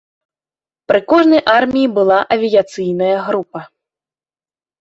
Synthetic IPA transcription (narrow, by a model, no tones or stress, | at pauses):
pɾɨkɔʐnɐjʔarmʲijibɨlˠaʔɐvʲijat̪sɨjnɐjɐɣɾupɐ